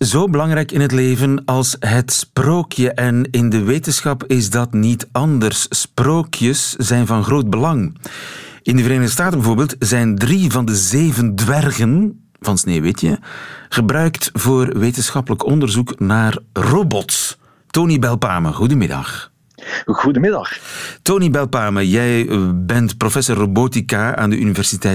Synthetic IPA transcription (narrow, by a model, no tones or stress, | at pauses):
zoːbəlɑŋɾɛjkɪnɦətleːvənɑlˠsɦətsproːkjəʔɛnɪndəʋeːtənsxɑpɪzdɑtnitɑndərssproːkʰjəszɛjnvɑnɣroːd̚bəlɑŋ | ɪndəvəɾeːnəɣdəs̬taːtənbəvoːrbeːlˠtzɛjndrivɑndəzeːvəndʋɛrɣən | v̥ɑnsneːʋɪtjə̰ɣ̥əbrœɥktvoːrʋeːtənsxɑpələkɔndərzuknaːrrobɔtː | oːnibɛlˠpaːmə̰ɣudəmɪdɑ̰x | ɣudəmɪdɑxtoːnibɛlˠpaːməjɛjbɛntprofɛsorːoboːtikaa̰ːndəʔynivɛrsitɛ